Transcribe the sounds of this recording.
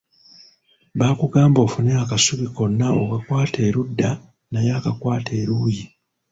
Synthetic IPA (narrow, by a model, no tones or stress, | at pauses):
βaːkuɡaːmbo̞ːfuneakasuβiko̞nːaokakwaːtʰe̞ːɾudːa | najaːkakwaːtʰeːɾuːji